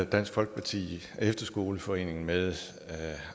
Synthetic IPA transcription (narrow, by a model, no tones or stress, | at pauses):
d̥æn̰sɡ̥fɒ̽lɡ̥ə̥pʰɑ̈t͡sʰḭː | efd̥ɐsɡ̥o̝ːləfɒ̽e̝̰ːne̝ŋn̩meðˠ